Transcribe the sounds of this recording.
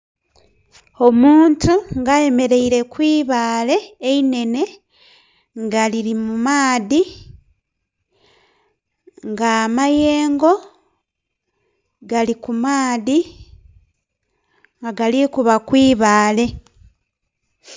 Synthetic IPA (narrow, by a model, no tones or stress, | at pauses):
o̞muːntuŋɡaje̞me̞ɾe̞iɾe̞kwiːβaːle̞ːine̞ne̞ | ŋɡaliɾimumaːði | ŋɡamaje̞ːŋɡo̞ | ɡalikumaːði | ŋɡaɡalikuβakwiːβaːle̞